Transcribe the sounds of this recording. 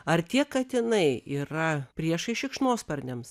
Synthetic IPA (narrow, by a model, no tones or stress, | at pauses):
ɐrt̪ʲiɛkkɐt̪ɪnɐɪiːɾɐpʲɾʲiɛʃɐɪʃʲɪkʃnoːspɐɾʲnʲɛms